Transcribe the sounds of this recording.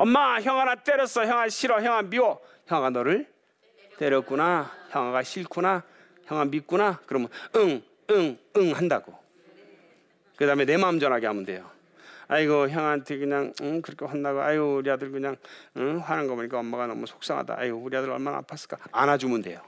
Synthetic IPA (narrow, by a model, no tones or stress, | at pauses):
ʌmmːaçjʌŋwaɾat͈eɾjʌs͈ʌçjʌŋaɕʰiɾʌçjʌŋɦamiwʌ | çjʌwaɡanʌɾɯɭ | t͈eɾjʌk͈unaçjʌŋaɡaɕʰiɭkʰuna | çjʌŋwamit̚k͈unakɯɾʌmɯnɯŋ | ɯŋɯŋɦandaɡo | kɯdaɦɯmene̞maɯmd͡ʑʌnɦaɡeɦamunde̞̰jo | aiɡʌçjʌŋantʰekɯɲaŋɯkɯɾʌkʰewandaɡoa̰joɾiadɯɭkɯɲaŋɯɸwanɯnɡʌboɲik͈aʌmːaɡanʌmusʰok̚s͈ʌŋɦa̰da̰a̰iɡouɾiadɯɾʌɭmana̰ːpʰas͈ɯ̥ɭk͈aanad͡ʑumunde̞̰jo